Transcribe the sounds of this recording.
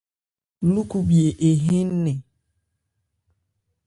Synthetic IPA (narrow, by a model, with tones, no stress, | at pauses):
lu˦ku˦bi˨e˨ʔe˨ɦe˦n̩˦ne˨